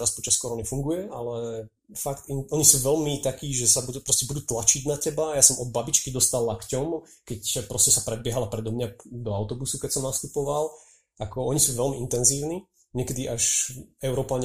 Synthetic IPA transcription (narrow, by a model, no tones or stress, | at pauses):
ɾaspɔt͡ʃaskɔɾɔnifuŋɡujɛalɛ | fakt̪inɔɲisuːʋɛlmit̪akiːʒɛsabupɾɔscɛbud̪uːt̪lat͡ʃiɟnacɛbajasɔmɔd̪̚babit͡ʃkid̪ɔst̪alːakcɔmkɛcpɾɔscɛsapɾɛd̪bɪɛɦalapɾɛd̪ɔmɲad̪ɔaʊt̪ɔbusukɛcsɔmnast̪upɔʋal | akɔɔɲisuːʋɛlmiʔint̪ɛnziːʊniː | ɲɛkɛd̪iʔaʃɛʊɾɔːpaɲ